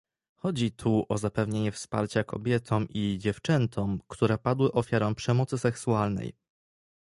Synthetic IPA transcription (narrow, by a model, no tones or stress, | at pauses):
xɔd͡ʑit̪ʰuʔɔzapɛvɲeɲɛfspa̰ɾt͡ɕakɔ̰bʲjɛt̪ʰɔmʔid͡ʑɛft͡ʂɛnt̪ʰɔmkt̪uɾɛpad̪wɘʔɔfʲjaɾɔ̃mpʂɛmɔt̪sɘsɛksualnɛ̰j